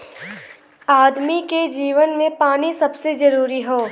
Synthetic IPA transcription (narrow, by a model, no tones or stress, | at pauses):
aːd̪miked͡ʒiːʋənmẽpaːnisɐbsed͡ʒɐɾuːɾiɦoː